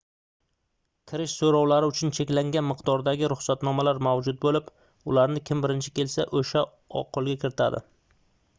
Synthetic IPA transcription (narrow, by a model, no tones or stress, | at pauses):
kʲʰɪɾɪʃsoɾɒwlaɾɪʊt͡ʃʰʊnt͡ʃʰe̞kʲlaŋɡʲanmɪqd̪ɒɾd̪aɡʲɪɾʊχsat̪nɒmalaɾmawd͡ʒʊt̪̚bolɪp | ʊlaɾnɪkʲʰɪmbɪɾɪnt͡ʃʰɪ̥kʲʰe̞lsaʔoʃa | ɒ̰qʰolˠɡʲakʲʰɪɾɪt̪ʰa̰d̪ɪ̰